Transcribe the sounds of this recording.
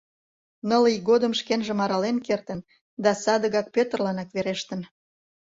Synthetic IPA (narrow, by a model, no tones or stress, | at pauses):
nəliɡod̪əmʃkenʒĕmɑɾɑlenkert̪ən | d̪ɑsɑd̪əɣɑk̚pøt̪ərlɑnɑkβeɾeʃt̪ən